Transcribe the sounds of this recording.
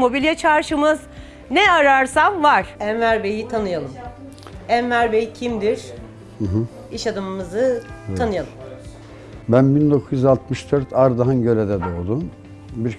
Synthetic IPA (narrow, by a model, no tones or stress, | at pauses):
mo̞bilʲijɛt͡ʃʰaɾʃɯmɯz | nɛaɾaɾsamvaɾ̥ænvæɾbejit̪ʰanɯjalˠɯm | ænvæɾbejicʰimd̪iɾ̥ | hɯ̃ɦɯ | iʃad̪ɯmmɯzɯt̪ʰanɯjalˠɯm | bænbind̪o̞kʰuzjyzalˠt̪̚mɯʃd̪øɾt̪ʰaɾd̪aɦanɟø̞led̪ɛd̪ɛolˠd̪um | biɾ